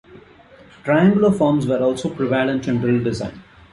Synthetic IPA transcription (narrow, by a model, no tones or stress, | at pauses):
ʈɾaɪãŋɡlofɔːɾmzʋəɾɔːlsoːpɾɪʋaɪəɖɪ̃nsɛ̃ɳɖəɾəlɖɪzã̰ɪ̃n